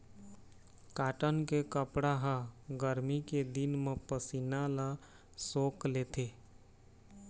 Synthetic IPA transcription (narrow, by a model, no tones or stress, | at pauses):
kaːʈənkekəpɽaɦə̃ɡəɾmiked̪inmepəsinala | soklet̪ʰe